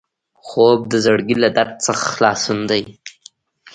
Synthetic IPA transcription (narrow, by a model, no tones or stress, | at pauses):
xob̚d̪əzaɽɡilad̪aɾt̪̚t͡səxḁxlɑsund̪aj